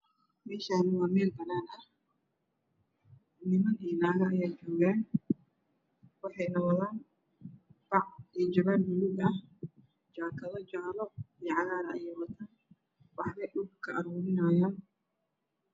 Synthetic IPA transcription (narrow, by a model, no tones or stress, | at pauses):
mɛːʃaːnɪwɑːmɛːlbɐɾaːnɐh | nɪmɐniːnaːɣɐɐjaːd͡ʒɔːɣaːn | wɑħɑjnɐwɐðaːn | b̥ɑʕid͡ʒɔβanmʊlʊɡɐh | d͡ʒaːkʰɐðɔt͡ʃaːlɔiɛʕɑɣaːɾɐɐjɛjwɐt̪ʰaːn | wɑħlɛjɗʊb̚kʰɐʔɐɾuːɾɪnaːjaːn